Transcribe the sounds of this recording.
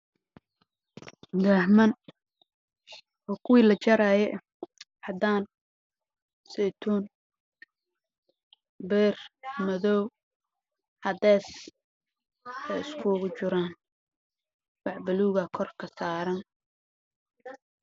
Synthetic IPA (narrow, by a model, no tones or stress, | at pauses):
d̪aːhmɐn | ʔɔːkʰʊwiːlɐt͡ʃɐɾajɛʔ | hɐd̪aːn | sɛjt̪ʰuːn | bɛːrmɐðɔw | hɐd̪ɛːs | ɛjɪskʰʊɣʊt͡ʃʊɾaːn | wɑʕbɐluːɣɐkʰɔrkʰɐsaːɾɐn